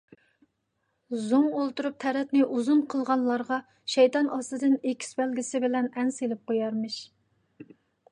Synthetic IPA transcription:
zumolˠt̪uɾup̚t̪ʰɛɾɛt̪nɪʔuzunqʰəlˠʁɑnlˠɑɾʁɑ | ʃɛjt̪ɑnʔɑst̪ɨd̪ɨnekʲʰi̥sbɛlɡʲisɪbɪlɛnɛnselɪp̚qojɑɾmɨʃ

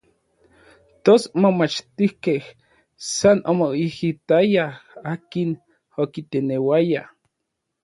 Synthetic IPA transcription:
t̪osmomat͡ʃt̪ihkeh | sanʔomoihit̪ajaaːkin | okit̪enewaja

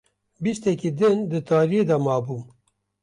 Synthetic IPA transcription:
bist̪ɛkiːd̪ɨnd̪ɨt̪ʰɑːɾijed̪ɐmɑːbuːn

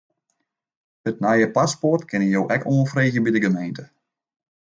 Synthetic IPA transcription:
ətnajəpasportkɪnəjowʔɛko̰lfreːɣjəbidəɡəmejntə

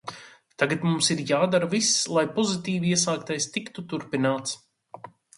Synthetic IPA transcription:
t̪aɡat̪mumsiɾjaːd̪aɾavislˠajpɔzit̪iːviɛsaːkt̪ajst̪ikt̪ut̪uɾpinaːt̪s

